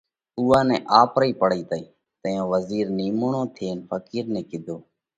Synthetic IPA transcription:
uːãːnɛ̃ːʔaːpɾəiːpəɽiːt̪əiː | t̪əjõːʋəziːɾniːmʊɳõːt̪ʰeːnfʰəkiːɾnɛ̃ːkɪd̪ʱoː

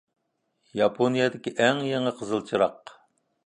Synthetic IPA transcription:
jɑpʰonijɑd̪ɪkʲiʔɛŋjeŋəqʰəzɨlˠt͡ʃʰiɾɑq

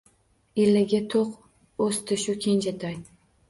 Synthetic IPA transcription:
ilːaɡʲat̪ʰoq | ɵst̪ʰɪʃʊkʲʰenʲd͡ʒat̪ʰaj

